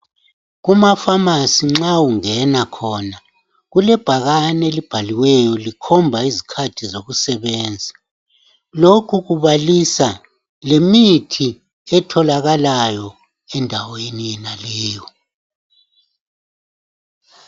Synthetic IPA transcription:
ɣumafamasiŋ͡ǁawuŋɛnakʰɔːna | ɣulɛb̥ʱaɣanelib̥ʱaliwɛjɔlikʰɔmbʱaizikʰatʰizoɣusɛβɛːnd͡zʱi | lokʰuɣuβalisa | lemitʰi | ɛtʰɔlaɣalajɔ | ɛndʱawenijɛnalɛːjɔ

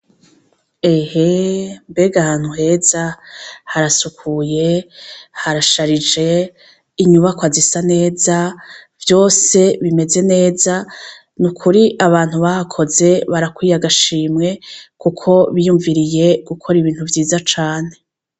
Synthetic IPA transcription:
e̞hembe̞ɡahaːn̥huɦe̞z̥ahaɾasukʰuje̞ | haɾaʃaɾid͡ʒe̞ | iɲuβakwazisane̞ːzavjo̞ːse̞βime̞ze̞ne̞ːza | nukʰuɾiʔaβaːn̥huβahakʰo̞ze̞βaɾakwiːjaɡaʃiːmŋe̞kukʰo̞βijuɱviɾije̞ɡ̥ukʰo̞ɾiβiːn̥huvjiːzat͡ʃaːn̥e̞

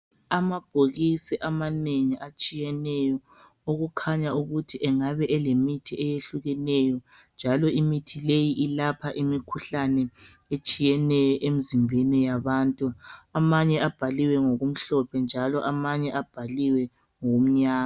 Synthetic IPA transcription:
amab̥ʱoɣisiʔamaneŋiʔat͡ʃʼijɛnɛjɔ | oɣukʰaɲauɣutʰiʔɛŋaβɛʔɛlemitʰiɛjeɬuɣɛnɛjɔnd͡ʒʱalɔimitʰilejiʔilapʰaʔimikʰuɬanɛ | et͡ʃʼijɛnɛjɔʔemizimbʱɛnɛjaβantʼuamaɲɛab̥ʱaliwɛŋoɣum̩ɬɔpʰɛnd͡ʒʱalɔʔamaɲɛʔab̥ʱaliwɛ | ŋoom̩ɲaːa

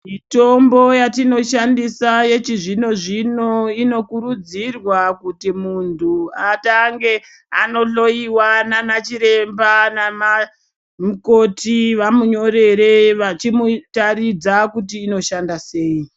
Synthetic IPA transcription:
mito̞mbo̞jatino̞ʃandisaje̞t͡ʃiʐino̞ʐino̞ino̞kuɾud͡zirwakutimuntʰuataŋɡe̞ | a̰no̞ɬo̞iwananat͡ʃiɾe̞mbanama | muko̞tiʋamuɲo̞ɾe̞ɾe̞ʋat͡ʃimutaɾid͡zakutiːno̞ʃandase̞ːi

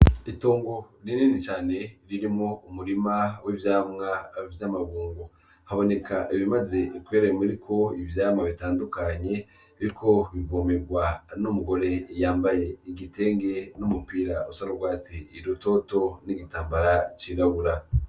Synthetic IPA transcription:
itoːŋɡoɾininit͡ʃaːne̞ɾiɾimŋo̞umuɾimawivjaːmŋavjamaβuːŋɡo | haβo̞ne̞kʰaʔiβimaze̞kweɾeemiɾikʰo̞ivjaːmŋaβitaːndukaɲe̞ | iɾikʰo̞βivomeɡwanumuɡo̞ɾe̞jaːmbaje̞iɡite̞ːŋɡe̞numupiːɾausaɾoɡwaːt͡siːɾuto̞to̞niɡitaːmbaɾat͡ʃiːɾaβuɾa

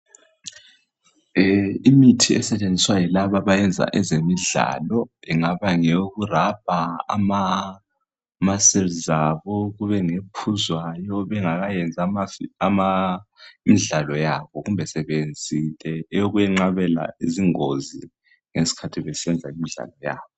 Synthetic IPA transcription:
imitʰiɛsɛt͡ʃʼend͡zʱiswajilaβaβajɛnd͡zʱa̰ʔɛzemiɮa̰ːlɔɛŋaβaŋeɣurab̥̚ʱaa̰ma | masɛlzaβɔɣuβɛŋepʰuzwajɔβɛŋaɣajɛnd͡zʱamafiama | miɮalɔjaβɔɣumbʱɛsɛβend͡zʱilɛɛjoɣujɛŋ͡ǁaβɛla̰iziŋozi | ŋesi̥kʰatʰiβɛsɛnd͡zʱaimiɮa̰lɔja̰ːβɔ

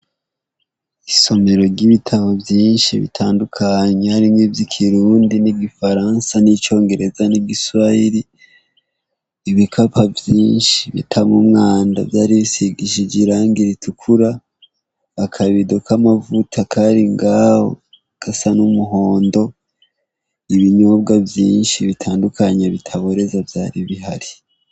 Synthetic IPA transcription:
iso̞me̞ɾo̞ɾɟiβitʰaβovjiːnʃiβḭtʰaːndukʰaɲehaɾimŋiːvjikʰiɾuːndiniɡifaɾansanit͡ʃo̞ːŋɡe̞ɾe̞zaniɡiswaiɾi | βikʰapavjiːnʃiβḭtʰamumŋaːnda̰vjaːɾiβisiɡiʃiɟiɾaːŋɡiɾitʰukʰuɾaː | kʰaβidokamavutʰakʰaɾiŋɡaːho̰ | kasanumuɦo̞ːndo̞ | iβiɲobɡavjiːnʃiβitʰaːndukʰaɲeβitʰaβo̞ɾe̞zavjaːɾiβiɦaɾi

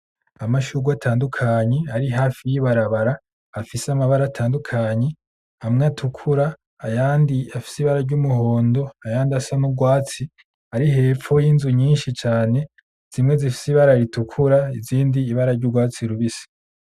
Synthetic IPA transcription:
amaʃuɡwatʰaːndukʰaɲe̞aɾiɦaːfijiβaɾaβaɾaː | fisamaβaɾatʰaːndukʰaɲe̞ | amŋatʰukʰuɾaː | jaːndiafi̥siβaɾaɾɟumuɦo̞ːndo̞ajaːndiasanuɡwaːt͡si | aɾiɦe̞ːfo̞jinzuɲiːnʃit͡ʃaːne̞ | z̥imŋe̞zifi̥siβaɾaɾitukʰuɾaiziːndiːβaɾaɾɟuɡwaːt͡siɾuβisi̥

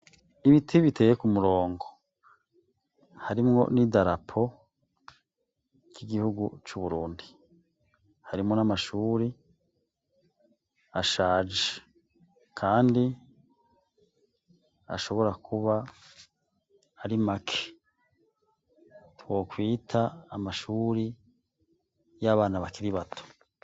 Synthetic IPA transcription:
iβitʰiβite̞ːjekumuɾo̞ːŋɡo̞ | haɾimŋo̞̰nidaɾapʰo̞ | kiɡihuɡut͡ʃuβuɾuːndi | haɾimŋo̞namaʃuːɾi | aʃaːd͡ʒe | kʰaːndi | a̰ʃo̞βo̞ɾakʰuβa | ɾimakʰe | two̞kwiːtʰaːmaʃuːɾi | jaβaːnaβakiɾiβatʰo̥

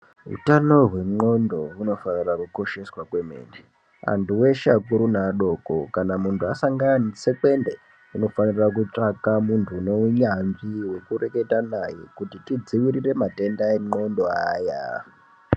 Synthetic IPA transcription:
ɦṵtano̞ɦwe̞mo̞ndo̞runo̞fanirakuko̞ʃe̞swakwe̞mḛːnde | a̰ntʰuwe̞ʃakuɾunaɗo̞ːko̞kanamuntʰuasaŋɡaanise̞ke̞nde | ino̞fanirak̬ut͡ʂakamuntʰuːneuɲanʐiwe̞kure̞ke̞tanajekutitid͡ziwiɾire̞mate̞ndaeŋ͡ǃo̞ndo̞a̰ːja̰

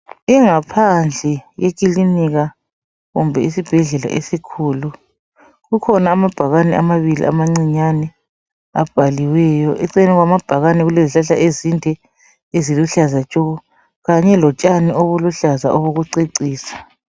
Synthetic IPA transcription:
iŋapʰand͡ɮʱɛjek̬ʼiliniɣa | ɣumbʱɛisib̥ʱɛɮɛla̰ʔesikʰuːlu | ɣukʰɔnaːmab̥ʱaɣanɛʔamaβilḭʔa̰maŋ͡ǀiɲanɛ | a̰b̥ʱaliwɛjɔʔɛǀɛnɛɣwamab̥ʱaɣanɛɣuleziɬaɬaʔezintʼɛ | eziluɬazat͡ʃʼɔɔ | ɣaɲɛlɔt͡ʃʼanioβuluɬaza̰ʔɔβoɣuǀiǀiːsḁ

